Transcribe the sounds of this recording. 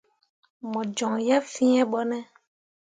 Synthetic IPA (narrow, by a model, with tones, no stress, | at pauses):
mɔ̃˨d͡ʒɔ̃˨ŋja˦fĩ˦ɛ̃˦ɓɔ˦nɛ̃˦